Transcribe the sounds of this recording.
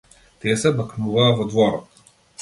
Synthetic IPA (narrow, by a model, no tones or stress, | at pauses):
t̪ɛsɛbɐknuvaːvɔd̪vɔɾɔt̪